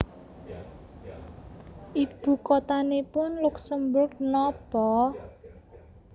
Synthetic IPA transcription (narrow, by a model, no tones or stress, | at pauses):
ʔib̥ṳkɔt̪anepʊnluksəmbʊrɡnɔb̥ɔ